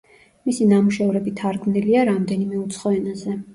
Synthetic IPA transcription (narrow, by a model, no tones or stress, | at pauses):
misinamuʃɛvɾɛbit̪ʰaɾɡniliaɾamd̪ɛnimɛut̪sʰχɔɛnazɛ